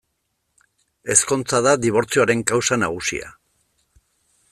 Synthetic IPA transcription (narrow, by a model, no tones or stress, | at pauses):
e̞sko̞nt͡saðaðiβ̞o̞ɾt͡sioaɾe̞ŋkawsanaɣ̞usḭa̰